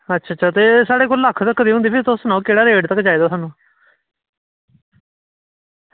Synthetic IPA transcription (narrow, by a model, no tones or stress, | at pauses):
ətːʃʰaːtt͡ʃʰʃʰaːt̪eːsaːɽeːkoːlləkʰːt̪əkːd̪iːɦʊ̃nd̪iːpʰɪɾt̪ʊsənãːuːkeːɽaːɾeːɖt̪əkːd͡ʒaːiːd̪aːsaːnũː